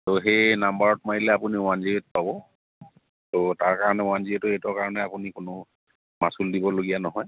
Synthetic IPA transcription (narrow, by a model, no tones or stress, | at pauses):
toɦejnambaɹɔtmaɹilɛapuniʊanziet̚pabɔ | totaɹkaɹɔnɛʊwanziɛtʊetɔɹkaɹɔnɛapunikʊnʊ | masuldibɔloɡijanɔɦɔj